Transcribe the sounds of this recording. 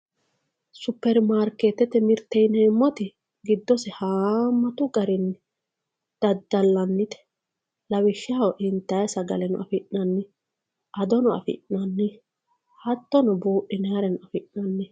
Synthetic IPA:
sʊpːɛɾmaːɾkeːt̪ːɛt̪ɛmɪɾt̪ːɛjnɛmːɔt̪ɪ | ɡɪd̪ːɔsɛhaːmːɐt̪ʊɡɐɾɪnːɪ | d̪̥ɐd̪ːɐlːɐnːɪt̪ɛ̥ | lɐwɪʃːɪawɔʔɪnt̪ːɐjsɐɡɐ̰lɛnɔ̰ʔɐ̰fɪʔnɐnːɪ | ʔɐd̪ɔnɔɐ̰fɪ̰ʔnɐnːɪ | hɐt̪ːɔnɔbuːʔːɪnɛɐɾɛnɔɐfɪʔnɐnːɪ

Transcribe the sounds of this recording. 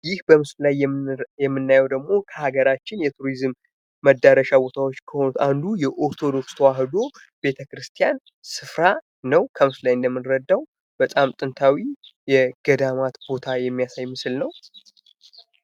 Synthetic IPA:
jɪhbəmɨsllajjɛmːɨnːajɛwd̪əɡmo̞kʰəhaɡəɾat͡ʃːɪnjɛt̪ʰuɾizɨmː | əd̪ːaɾəʃabo̞t̪ʰawot͡ʃːkʰəho̞nut̪and̪ujɛʔoɾt̪ʰo̞d̪o̞kst̪ʰəwaɦɨd̪o̞ | b̥e̞t̪ʰəkɾɨst̪ʰijan | sɨfɾa | nəwkʰəmɨslajɪnd̪əmːɨnɾəd̪ːaw | b̥ət̪ʼamt̪ʼɨnt̪ʰawijɛɡ̥əd̪amat̪bo̞t̪ʰajɛmːijasajmɨsɨlnəw

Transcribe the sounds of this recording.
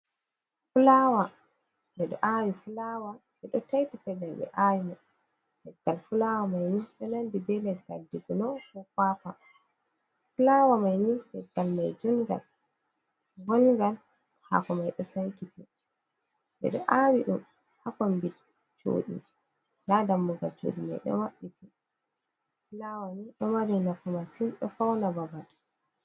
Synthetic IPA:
fulawa | bɛɗɔ̰ʔawifulawabɛɗɔtajtipɛdalɓɛ̰ʔawimɔ | lɛɡːalfulawamajniɗɛnandibɛlɛɡːaldiɡunɔkɔkwaːpa | fulawamajnilɛɡalmajd͡ʒuŋɡa̰l | ɡɔnɡal | ha̰kɔmajɗɔsaŋkitʰi | ɗɛ̰ɗɔʔawiɗum | hakɔmbid | t͡ʃo̰ːɗḭ | ladamːuɡalt͡ʃo̰ɗima̰jɗɔ̰waɓːiti | fulawaniɗɔmaɾinafumasinɗɔ̰fawnababal

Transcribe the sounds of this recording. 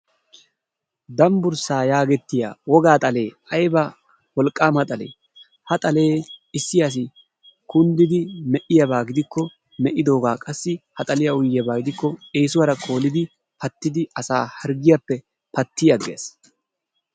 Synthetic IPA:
d̪ɐmbʊɾsaːjaːɡɛt̪ːɪja̰ːwɔɡaːt̪ʼɐle̞ː | ɐjbɐ | wɔlkʼːaːmhɐt̪ʼɐle̞̰ː | hɐt̪ʼɐle̞ːɪsːɪjas̬ɪ | kʊnd̪ɪd̪ɪmɛʔɪjɐbaːɡɪd̪ɪkːɔ | mɛʔɪd̪o̞ːɡaːkʼɐsːɪhɐt̪ʼɐlɪjaʊjːɪjɐbaːɡɪd̪ɪkːɔeːsʊwɐɾɐkʼo̞ːlɪd̪ɪ | pɐt̪ːɪd̪ɪɐsa̰ːhɐɾɡɪjapːɛ | pɐt̪ːɪjɐɡeːs

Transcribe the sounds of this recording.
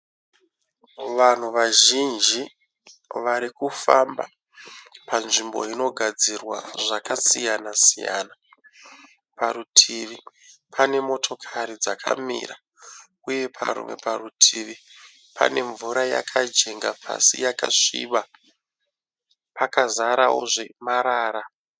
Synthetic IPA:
ʋan̤uʋaʒind͡ʒi | ʋaɾikufamba̰ | panʐimbo̞̰ino̞ɡʱad͡zirwa̰ʐakasijanasija̰ːna | paɾutʰiʋi | pʰane̞mo̞tʰo̞kʰaɾid͡zakʰa̰mḭɾa | uje̞pʰa̰ɾṵmwe̞̰parutʰiʋi | pʰa̰ne̞ɱvuɾaja̰kʰad͡ʒe̞ŋɡapʰa̰sijaka̰ʂḭʋa | pakazaɾawo̞̰ʐe̞maɾaːɾa

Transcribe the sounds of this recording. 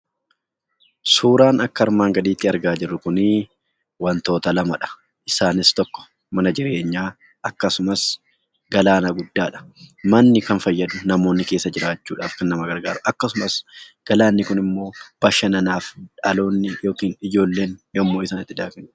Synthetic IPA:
suːɾaːnɐkːɐɐɾmaːŋɡɐd̪iːt̪ːɪɐɾɡaːd͡ʒɪrːʊkʊnɪ | wɐnt̪o̞ːt̪ɐlɐmɐᶑɐ̥ | ʔɪsaːnɪst̪ɔkːɔ̥ | mɐnɐd͡ʒɪɾe̞ːɲːaː | ʔɐkːɐsʊmɐs | ɡɐlaːnɐɡʊd̪ːaːᶑɐ̥mɐnːɪkɐnfɐjːɐd̪ʊnɐmo̞ːnːɪke̞ːsːɐd͡ʒɪɾaːt͡ʃːuːᶑaːfkɐnːɐmɐɡɐɾɡaːɾɐʔɐkːɐsʊmɐsɡ̥ɐlaːnːɪkʊnɪmːo̞ːb̥ɐʃːɐnɐnaːfᶑɐlo̞ːnːɪjo̞ːkiːnɪd͡ʒo̞ːlːe̞ːnjɐmːoːɪsaːnɪt̪ːɪd̪aːkɐn

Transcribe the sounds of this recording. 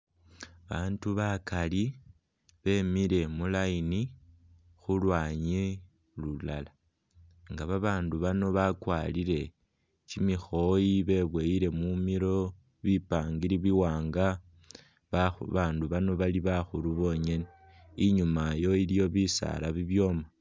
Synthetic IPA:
βaːnduβakali | βe̞miɾe̞mulaini | xulwaːɲe | lulala | ŋɡaβaβaːnduβano̞βakwaːliɾe̞ | t͡ʃimixo̞jiβe̞βweiɾe̞mumiɾo̞ | βipaːŋɡiɾiβiwaːŋɡa | ββaːnduβano̞βaliβaxuluβo̞ɲe̞ne | iɲumajo̞ilijo̞βisa̰laβiβjo̞ma

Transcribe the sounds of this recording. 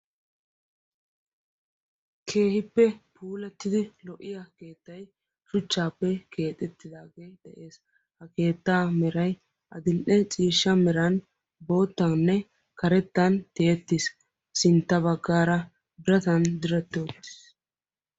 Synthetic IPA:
kʰe̞ːhɪpːɛpuːlɐt̪ːɪd̪ɪlɔʔːɪjɐke̞ːt̪ːɐj | ʃʊt͡ʃːaːpːɛkʰe̞ːt̪ʼɛt̪ːɪd̪aːɡed̪̥ɛʔe̞ːs | hɐke̞ːt̪ːaːmɛɾɐj | ʔɐd̪ɪnʔɛt͡sʼiːʃːɐmɛɾɐn | bo̞ːt̪ːɐnːɛ | kɐɾɛt̪ːɐnt̪e̞ːt̪ːɪs | sɪnt̪ːɐbɐɡːaːɾɐ | b̪ɪɾɐt̪ɐnd̪ɪɾɛt̪ːoːt̪ːɪ̥s

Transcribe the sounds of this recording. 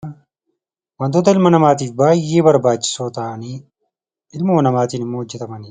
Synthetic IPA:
wɐnd̪ʊd̪ɐɪlmɐnɐmaːt̪iːfbaːjeːbɐɾbaːt͡ʃːɪ̥soːt̪ɐːʔɐniː | ɪlmʊmɐnɐmaːt̪iːnɪmːoːhɔd͡ʒːɛt̪ɐmɐni

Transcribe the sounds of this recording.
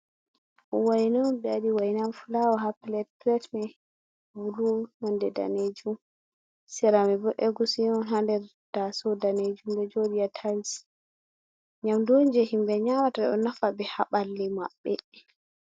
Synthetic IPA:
ʔɔwajnambɛaɗiwajinamfulawaɦaplɛt̚plɛtmɛ | bulumɔndɛda̰ned͡ʒum | sɛɾamɛbɔʔɛɡusiɔnɦandɛɾ | d̥asɔdaned͡ʒumdɛd͡ʒodijatʰals | ɲamdoɲd͡ʒɛhimbɛɲamataɛɔnafabɛhaɓalːima̰ɓːɛ

